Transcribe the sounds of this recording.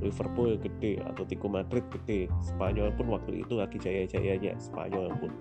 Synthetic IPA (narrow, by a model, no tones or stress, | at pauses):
lifərpʊlɡəɖ̥ɛha̰t̪awt̪ikumadɾɪt̪̚ɡəɖ̥ɛsə̥paɲɔlpʊnwak̚t̪uḭt̪uaɡid͡ʒajad͡ʒa̰jaɲa̰sə̥pa̰ɲɔljaŋpʊn